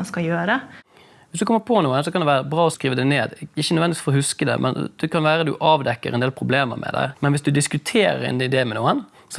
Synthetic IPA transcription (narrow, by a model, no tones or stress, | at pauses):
nskɑjøːɾə | ʋɪsd̪ʉkɔmːəɾpʰɔnuːənsɔkʰɑnd̪ɛʋæːɾəəbɾɑːɔskɾiːʋəd̪æɪneːd̪ɪçənœʋɛnɪʋi̥sfɔɾɔhʉskəd̪ɛ̰mʔɛ̰nd̪̥ɛkʰɑnʋæːɾəd̪ʉ̰ʔɑːʋd̪ɛkːə̰ɾɛnd̪eːlpʰɾʊbleːmə̰ɾmʔɛ̰d̪æ̰ːmɛnʋɪsd̪ʉd̪ɪskʉt̪ʰeːɾə̰ɾɛ̰nɪd̪eːmɛnuːən | s